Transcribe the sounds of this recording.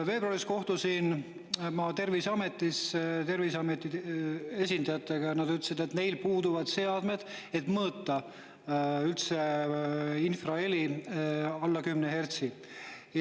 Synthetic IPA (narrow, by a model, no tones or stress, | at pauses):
ve̞ːbroɑɾisko̞ht̪usin | mɑt̪e̞rvisɑme̞t̪ːˑist̪e̞rviseɑme̞t̪ːˑie̞s̬ʲind̪ɑjɑt̪ːˑe̞ɡ̥ɑjnɑd̪yt̪ːesid̪̥e̞t̪ne̞jlpuːd̪uvɑd̪̥se̞ɑd̪̥me̞d̪̥e̞t̪mɤːt̪ːˑɑ | ylt̪se | infrɑe̞lʲi | ɑlːɑkymneɦe̞rt̪si